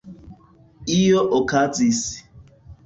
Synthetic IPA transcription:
ijoʔokatisi̥

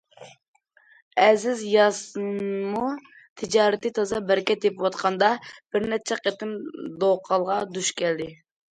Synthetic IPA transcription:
ɛzɪzjɑsmu | t̪ʰɪd͡ʒɑːɾɪt̪ɨt̪ʰɑzɑbæɾkʲɛt̪epwɑt̪qʰɑnd̪ɑb̥ɪɾnɛt͡ʃʰɛqʰet̪ʰɪmd̪oqʰɑlˠʁɑd̪uʃkʲɛld̪ɪ

